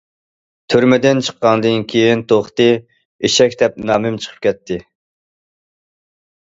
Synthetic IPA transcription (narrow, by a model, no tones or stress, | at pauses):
t̪ʰyɾmɪd̪ɪnt͡ʃʰə̥qːɑnd̪ɨnkʲʰejint̪ʰoχt̪ɨ | eʃɛkʲd̪ɛp̚nɑːmɪmt͡ʃʰə̥qʰə̥p̚kʲɛt̪ʰːɪ